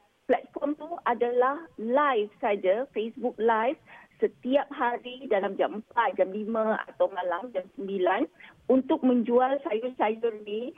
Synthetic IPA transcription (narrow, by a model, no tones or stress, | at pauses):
plɛt̪̚fɔmt̪uadalahlajfsad͡ʒafesbuk̚lajfsət̪iap̚ɦaɾidalamd͡ʒampat̪̚d͡ʒamlimãa̰t̪awmãlamd͡ʒamsəmbilanunt̪ʊk̚mə̃ɲd͡ʒualsajusajurnĩ